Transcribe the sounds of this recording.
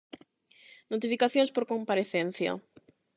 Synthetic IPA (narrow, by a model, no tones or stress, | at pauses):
not̪̬ifikaθjõŋspoɾkompaɾeθen̟θja̰